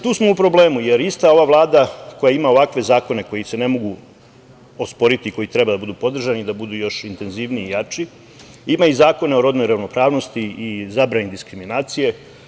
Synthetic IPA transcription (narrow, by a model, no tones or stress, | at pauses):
t̪uːsmoupɾo̞ble̞ːmuje̞ɾist̪ao̞ʋaʋlˠaːd̪akojaimao̞ʋakʋe̞zaːko̞ne̞ko̞jise̞ne̞mo̞ɡu | ospo̞ɾit̪iko̞jit̪ɾe̞bad̪abud̪uːpo̞d̪r̩ʒanid̪abud̪uːjo̞ʃint̪e̞nziːʋniːjat͡ʃi | imaizaːko̞neo̞ɾo̞d̪nojɾaʋno̞pɾaːʋno̞st̪iizabɾanid̪iskɾiminaːt̪sije̞